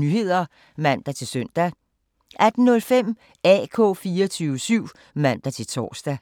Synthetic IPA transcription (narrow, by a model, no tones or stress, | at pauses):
nyɦe̝ð̰ˠɐ | mæn̰d̥æt͡sʰe̝lsøn̰d̥æ | ʔæd̥n̩ːɔ̽lfem̰ | ɛ̰ːkʰɔ̰̽ːfiːɐt͡sʰyːʊəsyʊ̰ | mæn̰d̥æt͡sʰe̝lt͡sʰɒ̰ːsd̥æ